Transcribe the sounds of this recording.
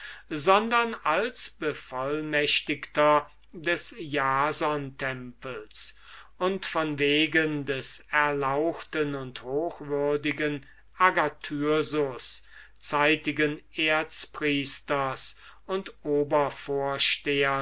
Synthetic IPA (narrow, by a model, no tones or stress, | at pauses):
zɔndɐnalsb̥əfɔlmɛʃtɪktɐ | dɛsjaːzɔntʰɛmpəls | ʔʊntfɔnveːɡəndɛsɛɐlaʊxtənʊnthoːxvʏɐdɪɡən | ʔaɡatʰyːɐzʊs | t͡saɪtɪɡəneːɐt͡spʁiːstɐs | ʊntʔoːbɐfoːɐʃteːɐ